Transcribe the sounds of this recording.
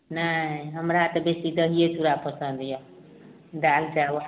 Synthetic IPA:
naɦəmɾat̪ɔbesid̪əɦijet̪uɾapəsə̃nd̪jɔ | d̪ald͡ʒaw

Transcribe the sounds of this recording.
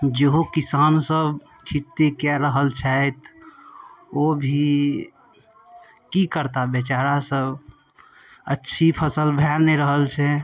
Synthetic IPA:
d͡ʒeɦokisaːnsəb | kʰit̪ːekaɾəɦəlt͡ʃʰɛt̪ | obʱi | kikəɾt̪abet͡ʃaɾasəb | ətːʃʰipʰəsəlbʱɛɾneɾəɦəlt͡ʃʰɛ

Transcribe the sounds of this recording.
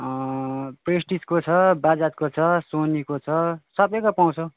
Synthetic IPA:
presʈiskot͡sʰʌbad͡zat̪̚kot͡sʰʌsonikot͡sʰʌsʌbekopaw̃t͡sʰo

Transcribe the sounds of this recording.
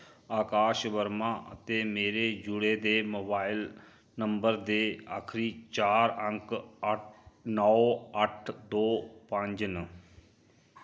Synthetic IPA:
aːkaːʃʋəɾmãʔə̰t̪emeːɾed͡ʒʊɽed̪emoːbaːɪl | nə̃mbəɾd̪ea̰ːkʰɾiːt͡ʃaːɾə̃ŋk | nɔoəʈʰd̪oːpə̃ɲd͡ʒnə

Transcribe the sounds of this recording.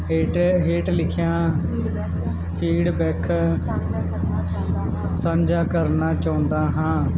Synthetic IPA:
ʈɦeːʈlɪkʰɪjãː | pʰiːɽbɛːkʰ | səmd͡ʒaːkəɾnaːt͡ʃaːʊ̃nd̪aːɦãː

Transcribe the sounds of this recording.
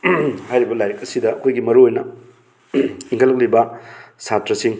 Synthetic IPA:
hajɾibɐlajɐkɐsidɐːkʰojɡimɐɾuojnɐ | iŋkʰɐlɐk̚libɐsatɾɐsiŋ

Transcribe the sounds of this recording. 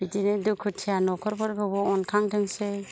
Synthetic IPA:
b̥idinedukʰːɯtʰijanɔkʰɔɾbɔɾɡɯbɔɔnkʰaŋdʰɯŋse

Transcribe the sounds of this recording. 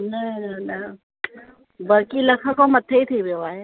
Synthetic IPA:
nɐnɐnɐ | bɐɾkilɐkʰəkomɐt̪ʰːeit̪ʰiʋɪjoaːɦeː

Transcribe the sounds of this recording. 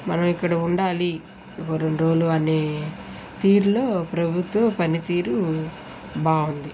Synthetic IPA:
mɐnɐmikːɐɽɐuɳɖaːli | koɾoɳɾoːluɐneː | t̪iːɾlo̞ːpɾɐbʱut̪ʋɐmpɐnit̪iːɾu | baːund̪i

